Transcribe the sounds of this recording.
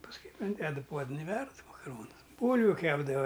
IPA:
pɐsˈkʊɪ ɪnʲˈdʲæːdʊ ˈpuɔdən ɪ ˈʋʲɛrt mɐkɐˈroːnʊs ˈbuːlʲʋʲʊ ˈkʲæːbdɐʋɐ

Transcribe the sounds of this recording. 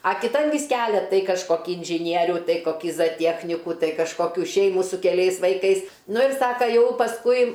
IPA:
ɐ kʲɪˈtɐn ʋʲiːs ˈkʲæːlʲɛ ˈtɐɪ kɐʃˈkoːkʲɪ ɪnʲʒʲɪˈnʲiɛrʲuː ˈtɐɪ koːˈkʲiː zɐˈtʲiɛxʲnʲɪkuː ˈtɐɪ kɐʃkoːˈkʲuː ˈʃʲɛɪmuː sʊ kʲɛˈlʲɛɪs ʋɐɪˈkɐɪs ˈnʊ ɪr ˈsɑːkɐ ˈjɛʊ pɐsˈkʊɪ

